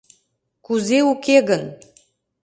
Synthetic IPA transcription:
kuzeukeɣən

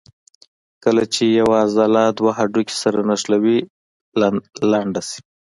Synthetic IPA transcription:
kəlat͡ʃejawazalad̪waɦaɖukʲe̥saɾanaʂlawi | laɳɖasi̥

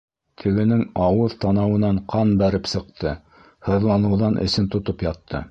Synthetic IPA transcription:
t̪ʰɘ̆ɡɘ̆nɘŋɑwɤðt̪ɑnɑwɤ̆nɑɴqʰɑnbæɾɘpsɤ̆q̚t̪ʰɤ | hɤ̆ðlˠɑnɤ̆wðɑnʔɘ̰̆sɘnt̪ŏt̪opjɑt̪ːɤ̰

